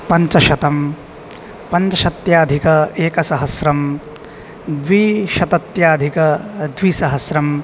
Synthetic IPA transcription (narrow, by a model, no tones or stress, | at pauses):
pɐɲt͡ʃɐʃɐt̪ɐm | pɐɲt͡ʃɐʃɐt̪jaːd̪ʱikɐeːkɐsɐɦɐsɾɐm | d̪ʋiʃɐt̪ɐt̪jaːd̪ʱikɐd̪ʋiːsɐɦɐsɾɐm